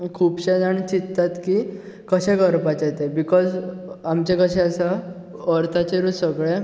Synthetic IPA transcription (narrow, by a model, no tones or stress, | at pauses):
kʰuːpɕɛd͡zaɳt͡ɕit̪ːat̪ki | kəɕɛ̃kəɾpat͡ɕet̪ebikɔzamt͡ɕekəɕɛ̃əsa | əɾt̪ʰat͡ɕeɾusəɡɭe